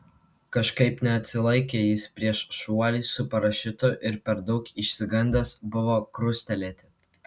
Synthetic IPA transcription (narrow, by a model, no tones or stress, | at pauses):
kɐʃkɐɪpnʲɛɐt̪ʲsʲɪlˠɐɪkʲeːjɪspʲɾʲiɛʃʃuɔlʲiːsʊpɐɾɐʃʲɪt̪ʊʔɪɾpʲɛɾd̪ɒʊkɪʃʲsʲɪɡɐnʲd̪ʲɐsbʊʋoːkɾʊsʲt̪ʲɛlʲeːt̪ʲɪ